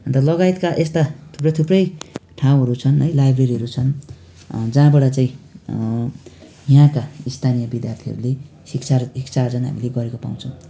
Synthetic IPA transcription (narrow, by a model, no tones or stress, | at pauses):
ʌnt̪ʌlʌɡajt̪kaʔest̪at̪ʰu̥prʌjt̪ʰuprʌjʈʰãw̃ɦʌɾut͡sʰʌnɦʌjlajbreɾiɦʌɾut͡sʰʌn | d͡zãːbʌɽʌt͡saĩ | jãkaist̪ʰanijʌbid̪jart̪ʰiɦʌ̰ɾule | sikt͡sʰarikt͡sard͡zʌnɦa̰mileɡʌɾekopa̰w̃t͡sʰʌw̃